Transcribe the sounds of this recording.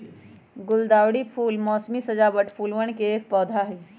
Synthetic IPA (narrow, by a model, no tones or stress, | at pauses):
ɡʊld̪aːwɽipʰuːlmɔːsmisəd͡ʒaːbəʈpʰuːlwəɳ̃keːk̚pɔːd̪ʱaɦɛː